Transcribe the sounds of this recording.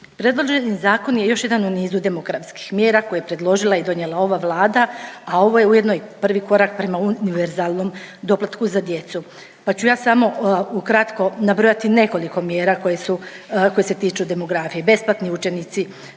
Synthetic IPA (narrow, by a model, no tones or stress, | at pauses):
pɾe̞d̪lˠo̞ʒenizaːko̞nje̞jo̞ʃje̞d̪anuniːzud̪e̞mo̞ɡɾafski̥xmje̞ːɾako̞jepɾe̞d̪lˠo̞ʒilˠaid̪o̞njelˠao̞ʋaʋlˠaːd̪aao̞ʋo̞jeuje̞d̪nojpr̩ʋiko̞ɾak̚pɾe̞mauniʋeɾzaːlˠno̞m | d̪o̞plat̪kuzad̪je̞t̪su | pat͡ɕujaːsamo̞ukɾat̪ko̞nabɾojat̪ine̞ko̞liko̞mje̞ːɾako̞jesuko̞jeset̪iːt͡ʃud̪e̞mo̞ɡɾafije̞be̞splˠat̪niut͡ʃe̞nit̪si